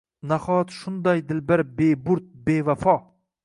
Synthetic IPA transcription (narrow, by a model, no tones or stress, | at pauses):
naχɒt̪ʃʊnd̪ajd̪ɪlbɪɾbebʊɾt̪̚be̞vafɒ